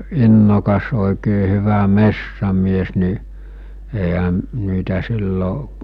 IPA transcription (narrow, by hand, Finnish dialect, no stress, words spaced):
inːokɑs oˑikeː hyʋæ mesːæmies ni eˑiɦæ niːtæ silːoʔ